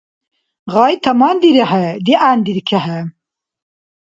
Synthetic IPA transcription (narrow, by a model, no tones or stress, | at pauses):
ɣɑːjt̪ʰɐmɑːnd̪iɾɛɦɐd̪iʔaːnd̪iɾkʰɛɦɛ